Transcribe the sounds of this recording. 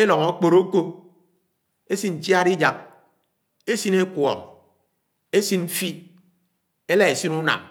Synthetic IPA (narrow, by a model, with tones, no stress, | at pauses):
e˦lɔ˨ŋo˦k͡po˨ɾo˦ko˦ | e˦si˦n̩˨t͡ʃja˦ɾi˦d͡ʒa˨k̚ | e˦si˦ne˦kwɔ̰˨ŋ | e˦si˦nm̩˦fi˦ | e˦la˦e˨si˦nu˦na̰˨m